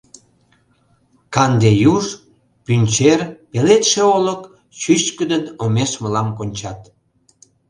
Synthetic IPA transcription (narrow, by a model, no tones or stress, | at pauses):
kɑnd̪ejuʒ | pynʲt͡ɕerpelet̪ʃeolək | ɕyt͡ɕkəd̪ənomeʃməlɑmkonʲt͡ɕɑt̪